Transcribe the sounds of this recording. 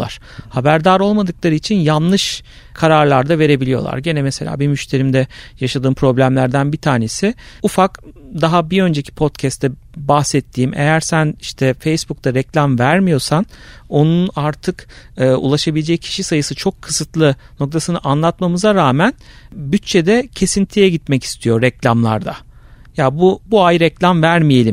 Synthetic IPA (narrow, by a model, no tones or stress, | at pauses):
lˠa̰ɾ̥ | habæɾd̪aɾo̞lˠmad̪ɯklˠaɾɯit͡ʃʰinjanlˠɯʃ | kʰaɾaɾlˠaɾd̪ave̞ɾe̞bilʲijo̞̰lˠa̰ɾɟe̞nɛmese̞lʲa̰ːbimyʃt̪ʰe̞ɾimd̪ɛjaʃad̪ɯːmpʰɾo̞blʲæmlʲæɾd̪ænbit̪ʰaːne̞sɪufakd̪aɦabiø̞nd͡ʒe̞cʰi̥pʰo̞t̪cʰɛst̪ʰːɛ | bahsɛt̪ʰːiːmḛjæɾsæniʃt̪ʰɛfejsbuk̚d̪ʰaɾɛclʲamvæɾmijo̞ɾsano̞nunaɾt̪ʰɯkɯːṵlˠaʃabilʲed͡ʒɛccʰi̥ʃisajɯsɯt͡ʃʰo̞kʰːɯ̥sɯt̪lˠɯ | no̞k̚t̪ʰasɯnɯʔanlˠat̪mamɯzaɾaːmænbyt̪̚t͡ʃʰed̪ɛcʰe̞sint̪ʰijɛɟit̪mɛci̥st̪ʰijo̞ɾɛclʲamlˠa̰ɾd̪a̰ | jabubuajɾɛclʲamvæɾmije̞lʲim